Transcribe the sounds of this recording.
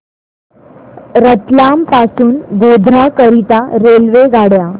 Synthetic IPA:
ɾət̪lampasuːnɡod̪ʱɾakəɾit̪aɾelʋeɡaɽja

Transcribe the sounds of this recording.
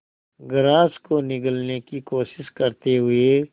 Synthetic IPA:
ɡɾãːskonɪkəlnekikoːʃɪʃkɐɾt̪eɦʊe

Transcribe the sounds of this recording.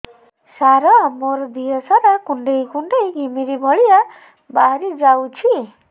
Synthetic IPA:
saɾɔmoɾd̪iɔsaɾakuɳɖejkuɳɖejɡʱimiɾibʱɔɭia | baɦɾid͡ʒawt͡ʃʰi

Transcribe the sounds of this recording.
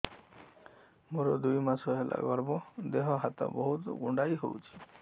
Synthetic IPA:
moɾɔd̪ujmasɔɦelʔa̰ɡɔɾbɔd̪eɦɔɦat̪ɔ̰bɔɦut̪ɡuɳɖajɦo̰wt͡ʃʰi̥

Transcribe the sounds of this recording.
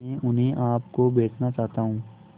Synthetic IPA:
ɛ̃ʔʊnɦẽʔaːpkobeːt̪nat͡ʃaːɦt̪aːɦũː

